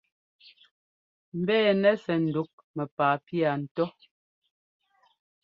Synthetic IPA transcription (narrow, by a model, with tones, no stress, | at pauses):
m̩˨bɛː˦˨nɛ˦sɛ˨n̩˨du˨˦k̚ | mɛ˨paː˨pi˦a˨n̩˨tɔ˦